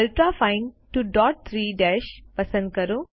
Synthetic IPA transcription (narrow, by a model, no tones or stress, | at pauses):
lʈɾaːfaɪ̃nʈuɖɔːʈ̚t̪ʰɾiːɖɛːʃpɐsə̃nd̪̚kɐɾu